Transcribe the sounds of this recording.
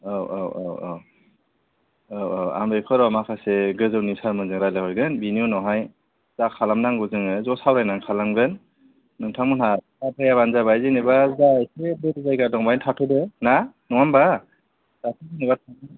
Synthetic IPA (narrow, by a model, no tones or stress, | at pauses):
awʔawawaw | awawa̰mbekʰɔɾɔamakʰasɛɡɯzɯwnisaɾmɯnzɯŋɾajlahɔjɡɯnbinijunɔɦaj | zakʰalamnaŋɡɯzɯŋɯzɔsawɾajnaŋkʰalamɡɾɯnː | ɯŋtʰaŋmɔnɦa | apʰajaβanzabajzɯnɯbazajsʰebɯtzajɡadɔŋbajntʰatʰudɯna | nɔŋamba | z̥atʰɯzɯnɛbatʰan